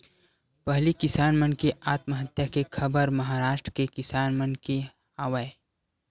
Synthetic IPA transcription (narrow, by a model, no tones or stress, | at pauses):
pɐɦlikɪsaːnmənkeaːt̪məɦət̪jakekʰɐbəɾməɦaːɾaːʃʈɾkekɪsaːnmənke | aːʋəe